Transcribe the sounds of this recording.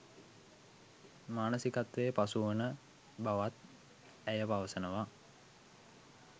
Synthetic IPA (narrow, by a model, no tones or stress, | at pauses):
maːnəsikat̪ʋejəpasuʋənə | baʋat̪̚ | æjəpaʋəsənəʋa